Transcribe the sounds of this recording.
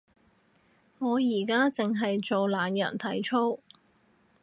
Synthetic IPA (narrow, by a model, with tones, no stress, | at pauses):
ŋɔː˨˧jiː˨˩kaː˥t͡sɪ˨ŋɦɐ˨jt͡ʃo˨wlaː˨˧njɐ̰˨˩nt̪ʰɐ˨˥jt͡ʃʰo˥w